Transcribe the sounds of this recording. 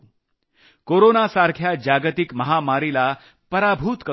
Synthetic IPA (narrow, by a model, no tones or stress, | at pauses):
koɾonasaɾkʰjad͡ʑaɡət̪ikməɦamaɾila | pəɾabʱut̪kə